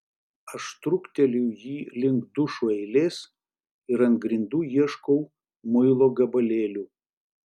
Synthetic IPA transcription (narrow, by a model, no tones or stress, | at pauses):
ɐʃt̪ɾʊkt̪ʲɛlʲujiːlʲɪŋɡd̪ʊʃuɛɪlʲeːs | ɪɾɐnɡɾʲɪnd̪uːjiɛʃkɔʊ | mʊɪlˠoːɡɐbɐlʲeːlʲuː